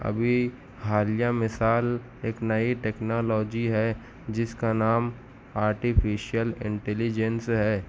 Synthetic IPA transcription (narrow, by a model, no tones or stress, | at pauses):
ɐ̰bʱi | ɦaːlijamɪsaːl | eːknɐiʈeːknɔːlɔːd͡ʒiɦɛ | d͡ʒɪskanaːm | aːɾʈifʰiːʃijəlɪ̰̃ɳʈɛlid͡ʒənsɦɛː